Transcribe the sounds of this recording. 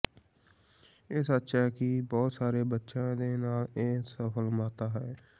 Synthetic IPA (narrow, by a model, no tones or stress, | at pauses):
ɪsətːʃʰakibɔːt̪saːɾebətːʃãd̪enaːleːsəpʰəlmãːt̪aɦɛː